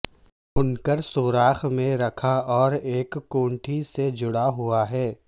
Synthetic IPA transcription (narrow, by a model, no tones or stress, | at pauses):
ʊnkəɾsoːɾaːxmẽɾɐkʰaɔːɾeːkːõːɳʈʰised͡ʒʊɽaɦʊaɦɛː